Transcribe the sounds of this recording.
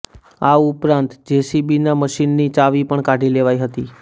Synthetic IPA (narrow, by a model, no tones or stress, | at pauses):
aupɾãnt̪d͡ʑesibinaməʃinːiːt͡ɕaʋiːpəɳkaɽ̤ʱiːleʋajɦət̪iː